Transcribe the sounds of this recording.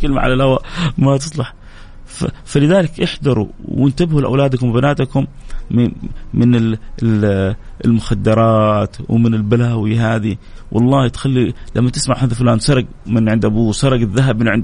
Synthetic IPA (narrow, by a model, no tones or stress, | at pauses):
kɪlma̰ʕa̰lalhawamat̪ɨsˤlɑħ | fafalɪðaːlɪkʔɪħd̪ɑɾˤṵwɪnt̪abhulʔa̰wlaːd̪akʊmbɪnaːt̪akʊm | mɪnɪ | ɪ̰lmʊxad̪ːɑɾˤɑːt̪wmɪnɪlbalawiɦaːði | wʔɑ̰lˤːɑːhit̪xalːilʔamːat̪ɪsmaʕhaːðalfʊlaːnsɑɾˤɑɡ | mɪnʕɪnd̪ʔabuːsɑɾˤɑɡɪðːaɦabmɪnʕɪnd̪